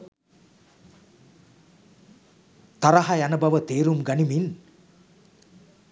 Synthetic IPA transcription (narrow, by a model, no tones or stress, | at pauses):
t̪aɾaɦajanəbɐʋət̪eːɾumɡanimin